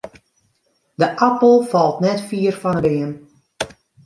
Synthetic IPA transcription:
dəʔapəl̩ˠfɑlˠtnɛtfiːərfɔnəbɪən

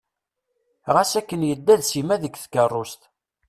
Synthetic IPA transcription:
ʁasækːənjəd̪ːæðsimæðəkθkərˤːʊst̪

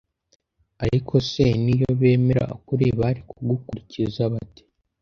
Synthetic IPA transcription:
aɾikʰo̞senijoβe̞ːme̞ɾa̰kuɾeβaɾikʰuɡukuɾicizaβati̥

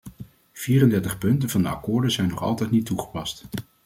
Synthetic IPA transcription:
v̥iːrəndɛɹtəχpɵntənvɑndəɑ̰kʊːɹdəzɛjnːɔχɑ̰lˠtɛjtnitːuχə̥pɑst

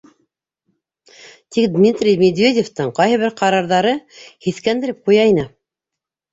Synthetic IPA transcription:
t̪ikd̪mʲit̪rʲijmʲed̪vʲedʲeft̪ɤɴqɑjɦɘ̆βɘɾqɑɾɑɾðɑɾɤhiθkænd̪ɘ̆ɾɘp̚qujɑinɤ

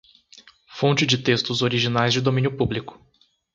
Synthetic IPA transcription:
fõnt͡ʃɪd͡ʒɪt̪est̪ʊzoɾiʒinajzd͡ʒɪd̪omĩnjʊpublikʊ̥

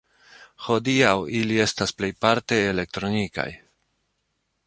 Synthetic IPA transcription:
ho̞diawilie̞stasple̞jpaɾte̞ːle̞k̚t̪ɾo̞nika̰j

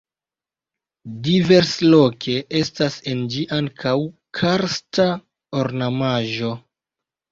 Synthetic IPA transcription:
dive̞ɾslo̞kʰe̞ʔe̞stasend͡ʒiʔaŋkʰawkʰaɾsta | oɾnamaʒo̞

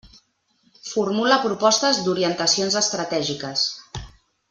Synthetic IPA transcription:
fuɾmuləpɾupɔst̪əzd̪uɾiənt̪əsionzəst̪ɾət̪ɛʒikəs

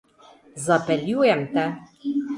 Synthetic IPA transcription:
zɑpɛljujɛmt̪ɛ

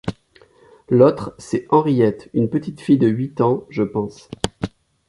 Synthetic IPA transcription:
lot̪χsɛɑ̃ʁijɛt̪ynpət̪it̪fijd̪əɥit̪ɑ̃ʒəpɑ̃s

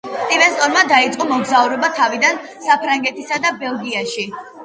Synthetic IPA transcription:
t̪ʼimɛst̪ʼɔɾmad̪ait̪sʼqʼɔmɔɡzauɾɛbat̪ʰavid̪an | sapʰɾaŋɡɛt̪ʰisad̪abɛlˠɡiaʃi

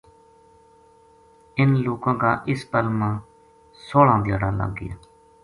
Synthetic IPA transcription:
ɪnloːkãːkaːʔɪspəlmãː | soːlãːd̪ja̰ːɽaːla̰ːɡːɪ̰ja̰ː

